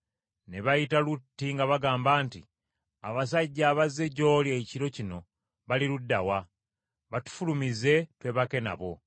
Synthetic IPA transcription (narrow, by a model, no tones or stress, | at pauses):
ne̞βajitalutːiŋɡaβaɡaːmbaːntḭ | a̰βas̬aɟːaːβaze̞ɟo̞ːljeciɾo̞cino̞ | βaliludːawa | βatu̥fulumize̞twe̞βake̞na̰βo̞